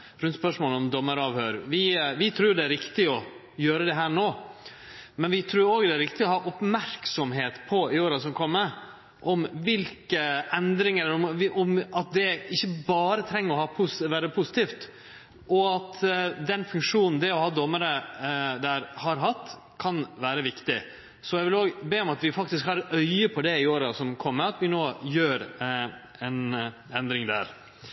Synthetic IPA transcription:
ɾʉnt̪spœʂmoːləɔmd̪ɔmːəɾɑːʋhøːɾʋɪʋɪt̪ʰɾuːjʊd̪ɛæɾɪkt̪ɪɔ | jøːɾəd̪ɛɦæːɾɳoː | mɛnʋɪt̪ʰɾuːoːɡd̪ɛæɾɪkt̪ɪɔhɑːʔɔpmæɾksɔmɦeːt̪pʰɔɪoːɾɑsɔmkʰɔmːə | ʔɔmʋɪlkəɛnd̪ɾɪŋɛlːəɾɔmʔɔmɑt̪̚d̪ɛɪçːəbɑːɾət̪ʰɾɛŋːəɾɔhɑːpʰusʋæːɾəpʰusɪ̥t̪iːft̪ | ʔɔɑt̪d̪ɛnfʉŋkʂuːnn̩d̪ɛɔhɑːd̪ɔmːəɾəd̪æɾhɑɾɦɑt̪ː | kʰɑnʋæːɾəʋɪkt̪ɪ | sɔjɛɪʋɪloːɡbeːɔmɑt̪ʋɪfɑk̚t̪ɪskhɑɾɛœʏəpʰɔd̪ɛɪoːɾɑsɔmkʰɔmːəɑt̪ʋɪnoːjøːɾ | ɛn | ɛnd̪ɾɪŋd̪æ̰ːɾ

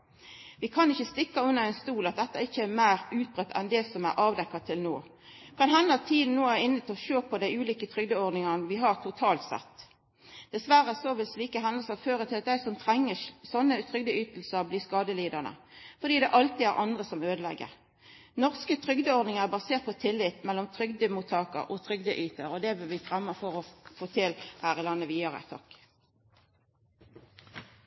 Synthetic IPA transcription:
ʋɪkʰɑnɪçːəst̪ɪkːɑʉnːəʁɛɪnst̪uːlɑt̪̚d̪ɛt̪ːɑɪçːəæmæɪʁʉːt̪̚bʁœt̪ʰːɛ̰nd̪ɛsɔmæ̰ɾʔɑːʋd̪ɛkːɑt̪ʰɪlnoː | kʰɑnɦɛnːəɑt̪ʰiːd̪n̩nːoːæɾɪnːət̪ʰɪlɔʃøːpʰɔd̪æɪʉːliːkət̪ʰʁʏɡd̪əɔʁd̪nɪŋɑnəʋɪɦɑʁt̪ʰʊt̪ʰɑːlt̪sɛ̰t̪ː | d̪̥ɛsʋæɾəæsoʋɪlsliːkəɦɛnd̪əl̩səføːʁət̪ʰɪlɑt̪̚d̪æɪsɔmt̪ʰʁɛŋːəsɔnːət̪ʰʁʏɡd̪əyːt̪l̩səʁbliːskɑːd̪əliːd̪əʁnə̰fɔd̪iːd̪ɛʔɑlt̪iæʁʔɑnd̪ʁəsɔmøːd̪əlɛ̰ɡə̰ʁ | nɔʁskət̪ʰʁʏɡd̪əɔʁd̪nɪŋəʁbɑseːt̪̚pʰɔt̪ʰɪlːɪt̪mɛlːɔmt̪ʰʁʏɡd̪əmut̪ʰɑːkə̰ʁɔt̪ʰʁʏɡd̪əʔyːt̪əʁɔd̪ɛʋɪlʋɪfʁɛmːəfɔʁɔfoːt̪ʰɪlhæːʁɪlɑnːəʋiːɑʁə̰t̪ʰɔk

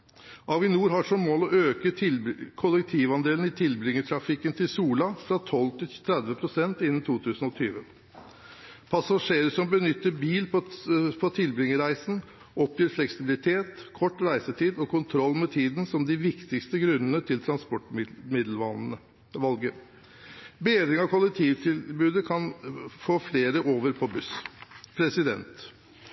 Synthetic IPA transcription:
ʔɑʋɪnuːɾɦɑʂɔmmoːlɔʔøːkəɪkʰʊləkt̪ʰiːʋɑnd̪eːln̩ɪt̪ʰɪlbɾɪŋːəʈʰɾɑfɪkːənt̪ʰɪlsuːlɑfɾɑt̪ʰɔlt̪ʰɪlt̪ʰɾɛd̪ʋəpʰɾʊsɛnt̪ɪnːn̩t̪ʰuːt̪ʰʉːsən̩ɔt̪ʰyːʋə | pʰɑsɑʂeːɾəsɔmbənʏt̪ːəɾbiːlpʰɔt̪ʰɪlbɾɪŋːəɾæɪsn̩ | ʔɔpjyːɾflɛksɪbɪlɪt̪ʰeːt̪kʰɔʈːɾæɪsət̪ʰiːd̪ɔkʰʊnt̪ʰɾɔlːmɛt̪ʰiːd̪n̩sɔmd̪ɪʋɪkt̪ɪkst̪əɡɾʉnənət̪ʰɪlt̪ʰɾɑnspɔʈmɪd̪lɑə | ʋɑlɡə | beːd̪ɾɪŋɑkʰʊlɛk̚t̪ʰiːʋt̪ʰɪlbʉːd̪əkʰɑnfoːfleːɾəʔoːʋəɾpʰɔbʉspʰɾɛsɪd̪ɛ̰nt̪

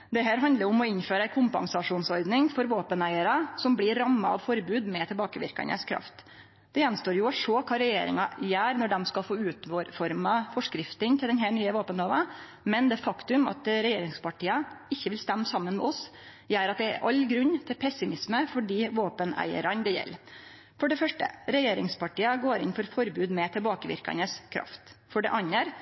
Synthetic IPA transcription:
d̪ɛɦæːɾɦɑnd̪əɾʊmɔɪnføːɾəæɪkʰʊmpɑ̰ŋsɑʂuːnsɔɾd̪nɪŋfɔɾʋoːpənæɪəɾɑsɔmblɪɾːɑmːɑɑ̰ʋfɔɾbʉːd̪mɛt̪ʰɪlbɑːkəʋɪ̰ɾkɑ̰nə̰skʰɾɑ̰ft̪ | d̪̥ɛjɛnst̪oːɾjʊʂoːkʰɑːɾɛjḛːɾɪ̰ŋɑjæːɾnɔɖɛmskɑlfoːʉːt̪fɔɾmɑfɔʂkɾɪft̪ənt̪ʰɪld̪ɛnɦæːɳyːəʋoːpənhɑːʋɑ | mɛnd̪ɛːfɑkt̪ʉmɑ̰t̪ɾɛjeːɾɪŋspʰɑʈʰiːəɪçːəʋɪlst̪ɛmːsɑmːənmɛ̰ɔs | jæːɾɑt̪̚d̪ɛ̰ʔɑlɡɾʉnːt̪ʰɪlpʰɛsɪmɪsməfɔɖiːʋoːpənæ̰ɪə̰ɾɑnd̪ɛjɛ̰lː | fɔɖɛfœʂʈə̰ɾɛjeːɾɪŋspʰɑʈiːəɡoːɾɪ̰nfɔɾfɔɾbʉːd̪mɛt̪ʰɪlbɑːkəʋɪ̰ɾkɑ̰nəskʰɾɑ̰ft̪fɔɖɛ̰ʔɑɲːəɾ

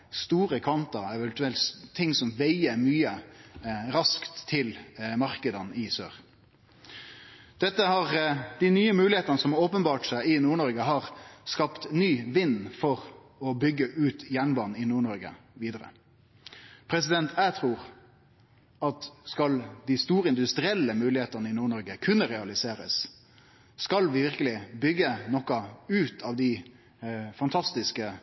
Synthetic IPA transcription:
st̪uːʁəkʰɑnt̪əɛʋɛnt̪ʉɛlt̪t̪ʰːɪŋːsɔmʋæɪəmyːə | ɾɑskt̪ʰːɪlmɑɾkəd̪ənɪsø̰ːʁ | d̪̥ɛt̪ːəhɑʁd̪̥ɪnyːəmʉːlɪheːt̪ɑnəsɔmoːpənbɑːʈsæɪɪnuːɳɔɾɡəɦɑːʁskɑpt̪nyːʋɪnːfɔʁ | ɔbʏɡːəʔʉːt̪jæɳbɑːnn̩ɪnuːɳɔɾɡə̰ | ʋiːd̪əɾə̰ | pʰɾɛsɪd̪ɛnt̪ʰæt̪ʰɾuːɾ | ɑt̪skɑld̪ɪst̪uːɾəɪnd̪ʉst̪ɾɪɛlːəmʉːlɪheːt̪ənəɪnuːɳɔɾɡəkʰʉnːəɾɛɑlɪseːɾə̰sː | kɑlʋɪʋɪɾkəlɪbʏɡːənɔkɑʉːt̪ʰɑːʋd̪ɪ | fɑnt̪ʰɑst̪ɪskə

